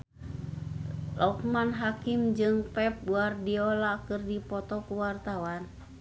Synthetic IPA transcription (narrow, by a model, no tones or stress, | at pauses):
lʔɔk̚manɦakimd͡ʒɨŋpɛp̚buardiɔlakɨrdipɔt̪ɔkuwart̪awan